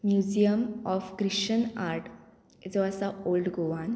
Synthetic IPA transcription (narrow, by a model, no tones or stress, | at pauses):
mjud͡ʑijəmɔfkɾiɕənaɾʈ | d͡zoasaolɖɡoʋãn